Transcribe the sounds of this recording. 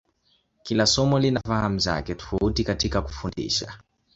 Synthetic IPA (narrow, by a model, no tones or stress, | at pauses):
kilasɔmɔlinafaham̩za̰kɛtɔ̥fautikatikaku̥fundḭʃa